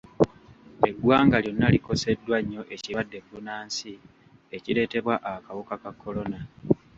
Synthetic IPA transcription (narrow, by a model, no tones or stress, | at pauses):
eɡwaːŋɡaljo̞nːaliko̞se̞dːwaɲːo̞ʔe̞ciadːe̞bːunaːnsi | e̞cile̞ːte̞βwaʔakawukakakʰːo̞lo̞na